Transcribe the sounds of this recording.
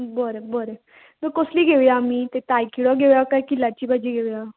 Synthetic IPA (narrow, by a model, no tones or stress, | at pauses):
bɔɾebɔɾe | t̪əkosliɡʱeʋjamit̪et̪ajkiɽɔɡʱeʋjakaikilat͡ɕiːbʱad͡ʑiɡeʋja